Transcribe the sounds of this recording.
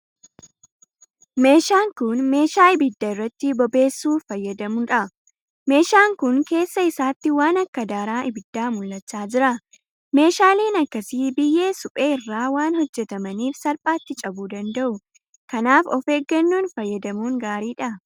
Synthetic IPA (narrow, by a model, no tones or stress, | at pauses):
me̞ːʃaːŋkʊnme̞ːʃaːɪbɪd̪ːɐɪrːɐt̪ːɪbɔbe̞ːsːuːfɐjːɐd̪ɐmʊᶑɐ | me̞ːʃaːŋkʊnke̞ːsːɐɪsaːt̪ːɪwaːnɐkːɐd̪aːɾaːʔɪbɪd̪ːaːmʊlːɐt͡ʃːaːd͡ʒɪɾɐ | me̞ːʃaːle̞ːnɐkːɐsiːbɪjːe̞ːsʊpʼeːɪrːaːwaːnhɔd͡ʒːɛt̪ɐmɐniːfsɐɾpʼaːt̪ːɪt͡ʃʼɐbuːd̪ɐnd̪ɐʔʊ | kɐnaːfɔfe̞ːɡːɐnːuːnfɐjːɐd̪ɐmuːŋɡaːɾiːᶑɐ